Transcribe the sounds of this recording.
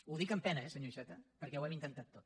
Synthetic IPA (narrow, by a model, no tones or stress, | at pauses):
uðikəmpɛnəɛsəɲoiʃɛt̪əpəɾkɛwɛmint̪ənt̪at̪ːot̪̚